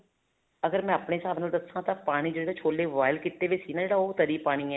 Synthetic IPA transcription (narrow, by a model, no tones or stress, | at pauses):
əɡəɾmɛ̃ːaːpneːsaːbnaːld̪əsãːt̪ãːpaːɽ̃iːd͡ʒeːɽaːt͡ʃʰoːleːʋaːɪlkɪt̪eːʋeːsiːnãːd͡ʒeːɽaːoːt̪əɾiːpaːɽ̃iːɛː